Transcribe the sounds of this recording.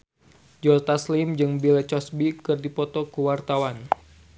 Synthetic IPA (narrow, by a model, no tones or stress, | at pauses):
d͡ʒɔt̪aslimd͡ʒɨŋbilɛt͡ʃɔsbikɨrdipɔt̪ɔkuwart̪awan